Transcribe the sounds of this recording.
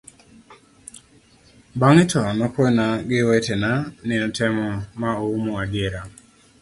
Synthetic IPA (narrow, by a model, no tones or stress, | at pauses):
baŋɪtʰɔnɔkwenaɡɪwetenanɪnɔtʰɛmɔmaoumoaɡeɾa